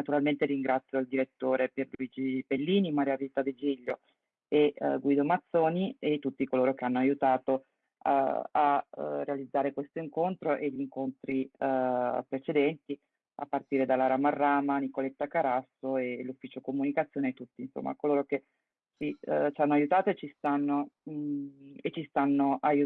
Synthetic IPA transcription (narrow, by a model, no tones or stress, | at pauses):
nat̪uɾalment̪eɾiŋɡɾat̪sːjoild̪iɾet̪ːoːɾeperluiːd͡ʒibelːiːnimaɾjavit̪ːad̪ed͡ʒiʎːo | eɡwiːd̪omat̪sːoːniet̪ːut̪ːikoloːɾokeanːoajut̪aːt̪o | aa̰rːealid̪zːaːɾekwest̪oiŋkont̪ɾoʔeʎiŋkont̪ɾi | pɾet͡ʃed̪ɛnt̪i | a̰pːart̪iːɾed̪alaɾamarːaːmanikolet̪ːakaɾasːoelufːiːt͡ʃokomunikat̪sːjoːnet̪ːut̪ːiːnso̰mːa̰koloːɾok̟e | t͡ʃit͡ʃanːoajut̪aːt̪oet͡ʃːist̪anːo | et͡ʃːist̪anːoʔaju